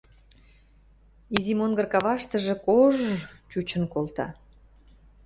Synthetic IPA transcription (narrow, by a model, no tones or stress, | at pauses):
izimonɡə̆rkɑβɑʃt̪əʒĕkoʒt͡ɕut͡ɕə̆nkolt̪ɑ̰